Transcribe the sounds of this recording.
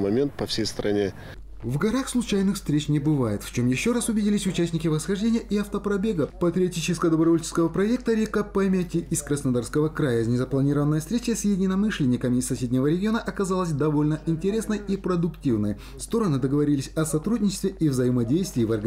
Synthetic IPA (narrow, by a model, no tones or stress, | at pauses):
mɐmʲe̞nt̪̚pɐfsʲejst̪ɾʔɐnʲe | vɡɐɾaxslˠʊt͡ɕæjnɨxfst̪ɾʲet͡ɕnʲɪbɨvajɪt̪ft͡ɕo̞mjɪɕːo̞ɾasʊvʲɪdʲilʲɪsʲʊt͡ɕæsʲnʲɪkʲɪvəsxɐʐdʲenʲɪjəʔiɐft̪əpɾɐbʲe̞ɡəpət̪ɾʲɪɐtʲit͡ɕɪskəjəd̪əbɾɐvo̞lʲt͡ʃɪ̥skəvəpɾɐek̚t̪əɾʲɪkəpɐmʲetʲɪʔɪskɾəsnɐd̪arskəvəkɾajəzʲnʲɪzəplˠɐnʲiɾəvənːəjəfst̪ɾʲet͡ɕəsʲjɪdʲɪnɐmɨʂlʲɪnʲɪkəmʲɪɪsːɐsʲedʲnʲɪvəɾʲɪɡʲɪo̞nəʔɐkɐzalˠəsʲd̪ɐvo̞lʲnəʔɪnʲtʲɪɾʲe̞snəjipɾəd̪ʊktʲivnəj | fst̪o̞ɾənɨd̪əɡəvɐɾʲilʲɪsʲɐsɐt̪ɾudʲnʲɪt͡ɕɪst̪vʲɪʔivzəjɪmɐdʲejst̪vʲɪːvɐrɡ